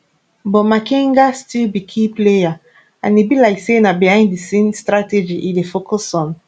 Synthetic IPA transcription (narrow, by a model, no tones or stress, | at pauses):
bɔtmakĩŋɡastilbikʰipleja | ãnibilaɪksenabihãɪ̃ndisẽmstɹated͡ʒiʔidefokʰɔsɔ̃n